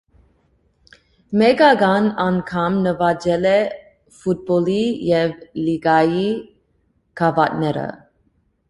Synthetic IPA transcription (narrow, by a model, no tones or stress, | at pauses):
mɛɡɑɡɑnɑnkʰɑmnəvɑd͡ʒɛlɛ | fut̪̚bɔlijɛvliɡɑji | kʰɑvɑt̪nɛɾə̰